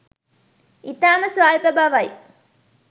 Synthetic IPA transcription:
it̪aːməsʋaːɾpəbaʋɐj

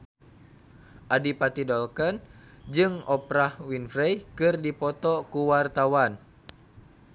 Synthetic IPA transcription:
ʔadipat̪idɔlkənd͡ʒɨŋɔpɾahwinfɾɛjkɨrdipɔt̪ɔkuwart̪awan

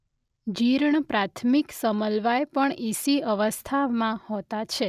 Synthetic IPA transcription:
d͡ʒiɾɳpɾat̪ʰmiksəməlʋajpəɳisiəʋəst̪ʰaʋmãhot̪at͡ʃʰe

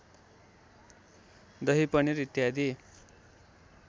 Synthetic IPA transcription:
d̪ʌɦipʌniɾit̪jad̪i

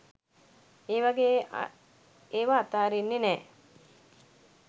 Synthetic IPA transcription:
eːʋaɡeː | eːʋaːt̪aːɾenːenɛː

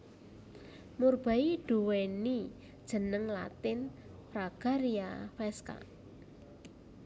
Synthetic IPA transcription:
murb̥a̤iɖ̥ṳweni | d̥ʒ̥ə̤nəŋla̰t̪ɪn | fɾaɡ̥a̤ɾiafɛska̰

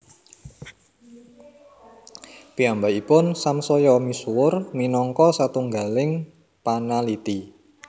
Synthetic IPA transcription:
piambaipʊnsamsɔjɔmisuwʊrminɔŋkɔsat̪uŋɡa̤lɪŋ | panalit̪i

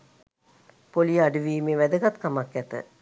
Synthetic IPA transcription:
polijəaɖuʋiːmeʋæd̪əɡat̪kamakːæt̪ə̰

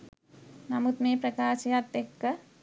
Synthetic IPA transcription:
namut̪mepɾəkaːsjat̪ekːə

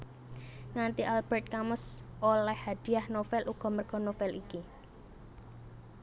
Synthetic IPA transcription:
ŋant̪iʔalb̥ɛrt̪̚kamʊsʔolɛhhad̪̥i̤ahnofɛlʔuɡ̥ɔ̤mərɡ̥ɔ̤nofɛliki

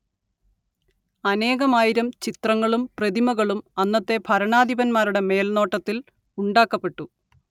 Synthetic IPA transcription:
ɐne̞ːɣɐmaːjiɾɐmt͡ɕit̪rɐŋːɐɭumprɐðimɐɣɐɭumɐnːɐt̪ːe̞bʱɐɾɐɳaːd̪ʱibɐnmaːɾuɽe̞me̞ːlno̞ːʈːɐt̪ːil | uɳɖaːkːɐpːe̞ʈːu

